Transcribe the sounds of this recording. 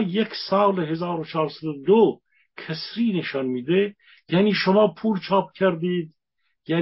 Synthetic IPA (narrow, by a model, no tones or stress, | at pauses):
jekʰʲsɑːleɦezɑːɾot͡ʃʰɑːɾsad̪od̪o | kʰæsɾiːneʃɑnmiːd̪e | jæniːʃomɑːpʰuːlt͡ʃʰɑːp̚kʲʰæɾd̪iːd̪ | jæ